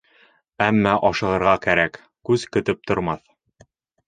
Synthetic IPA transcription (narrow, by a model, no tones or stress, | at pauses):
æmːæʔɒʃɤ̆lˠɤ̆ɾʁɑkæɾæk | kʉzkɵ̆t̪ɘp̚t̪ŏɾmɑθ